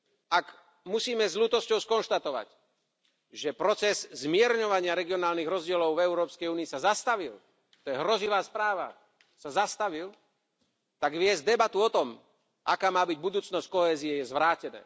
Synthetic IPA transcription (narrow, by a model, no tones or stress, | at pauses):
ak | musiːmɛzluːt̪ɔscɔʊskɔnʃt̪at̪ɔʋa̰c | ʒɛpɾɔt͡sɛzzmɪɛɾɲɔʋaɲɪaɾɛɡiɔnaːlniɣɾɔzɟɪɛlɔʊvɛʊɾɔːpskɛjuːniːsazast̪aʋil | t̪ɔjɛɦɾɔziʋaːspɾaːʋa̰ | sazast̪aʋil | t̪aɡʋɪɛzd̪ɛbat̪uɔt̪ɔm | ʔakaːmaːbiɟ̚bud̪uːt͡snɔsc̚kɔɦɛːziɛjɛzʋɾaːcɛnɛ̰ː